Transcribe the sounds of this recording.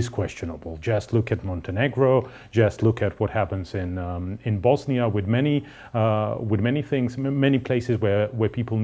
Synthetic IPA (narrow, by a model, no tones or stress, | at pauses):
z̥kʰw̥ɛst͡ʃɨnəbl̩ˠd͡ʒʌstˡlʊkɨt̚mɑ̃ntʰɨnɛɡɹoʊ | d̥d͡ʒʌstˡlʊkɨt̚wʌt̚hæpɨ̃nzɪ̃nɪ̃nbɔzniəwɨðmɛni | wɪðmɛniθɪ̃ŋz̥mɛnipʰl̥eɪsɨzwə˞wə˞pʰipl̩ˠn